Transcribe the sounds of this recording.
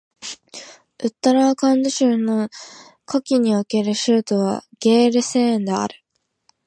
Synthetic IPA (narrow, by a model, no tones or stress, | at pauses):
ɯ̟t̪ːaɾaːkãnd̪oɕɨːno | kʰokʲiɲ̟ioke̞ɾɯ̟ɕɨːt̪oβa̰ɡ̥e̞ːɾɯ̟seːẽnd̪ea̰ɾɯ̟